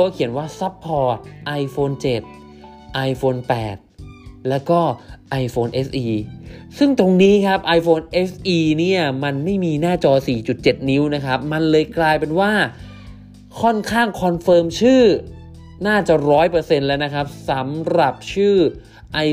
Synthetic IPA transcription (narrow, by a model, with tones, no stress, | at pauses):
kʰi˨˩˦ənwaː˥˩sa˦˥pʰːɔː˧t̪̚ʔa˧jfoː˧nt͡ɕe˨˩t̪̚ | ʔa˧jfʰoː˧npɛ̰ː˨˩t̪̚lɛː˦˥wkɔː˥˩ʔa˧jfʰoː˧nʔe˦˥sʔiː˧sɯ˥˩ŋt̪o˧ŋniː˦˥kʰa˦˥p̚ʔa˧jfʰoː˧nʔe˦˥sʔiː˧ni˥˩ɐma˧nma˥˩jmiː˧naː˥˩t͡ɕɔː˧siː˨˩t͡ɕu˨˩t̪̚t͡ɕe˨˩t̪̚ni˦˥wna˦˥kʰa˦˥p̚ma˧nlɤː˧jklaː˧jpe˧nwaː˥˩ | kʰɔ˥˩nkʰaː˥˩ŋkʰɔ˧nfɤː˧mt͡ɕʰɯː˥˩ | naː˥˩t͡ɕa˨˩ɾɔː˦˥jpɤː˧se˧nlɛː˦˥wna˦˥kʰa˦˥p̚sa˩˦mɾa˨˩p̚t͡ɕʰɯː˥˩ | ʔa˧